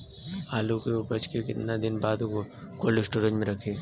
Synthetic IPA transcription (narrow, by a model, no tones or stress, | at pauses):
aːlukeʊbɐt͡ʃkekɪt̪nad̪ɪnbaːd̪koːlesʈuːɖə̃nʈmẽɾɐkʰeː